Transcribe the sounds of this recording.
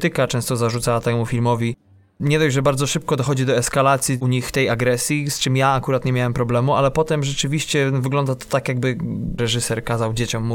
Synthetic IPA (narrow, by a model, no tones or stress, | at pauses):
t̪ɘkat͡ʂɛ̃st̪ɔzaʐut̪sawat̪ɛmufʲilmɔvʲi | ɲɛd̪ɔjʐɛbaɾd̪zɔʂɘp̚kɔd̪ɔxɔd͡ʑid̪ɔɛskalat̪sʲjiuɲixt̪ɛjaɡɾɛsʲjist͡ʂɘmjaakuɾat̪ɲemʲawɛmpɾɔblɛmualɛpɔt̪ɛmʐɛt͡ʂɘvʲiɕt͡ɕɛvɘɡlɔnd̪at̪akjaɡ̚bɘɾɛʐɘsɛɾkazawd͡ʑet͡ɕɔmːu